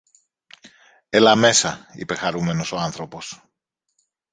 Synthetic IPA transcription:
elɐme̞sɐḭpe̞xɐɾume̞no̞soɐnθɾo̞po̞s

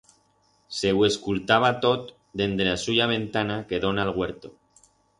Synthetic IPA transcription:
se̞we̞skult̪aβ̞at̪o̞t̪ | d̪e̞nd̪ɾeasuʝaβ̞e̞nt̪anake̞ðonalɣwe̞ɾt̪o

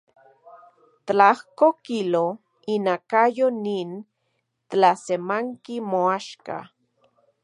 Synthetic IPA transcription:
t̪lahkokilo | inakajonin | t̪lasemaŋkimoaʃka̰

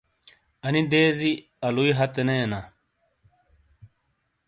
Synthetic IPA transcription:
ɐnid̪eːzi | ɐluiɦɐt̪eneːna

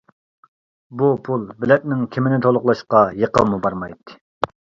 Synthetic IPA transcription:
bupʰulˠbɪlɛt̪̚nɪŋkʲʰimɪnɪt̪ʰolˠʊχlˠɑʃqɑjeqəmubɑɾmɑjt̪ːɨ̥

